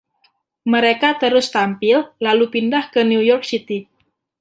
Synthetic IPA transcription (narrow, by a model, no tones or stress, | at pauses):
məɾekat̪əɾʊst̪ampɪllalupindahkəniujɔk̚sit̪i